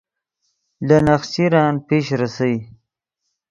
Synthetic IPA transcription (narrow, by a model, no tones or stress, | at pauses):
lanaxsiɾɑːnpeːʃɾasawi